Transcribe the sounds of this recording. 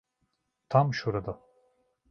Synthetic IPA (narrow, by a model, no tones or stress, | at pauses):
t̪ʰamʃoɾad̪a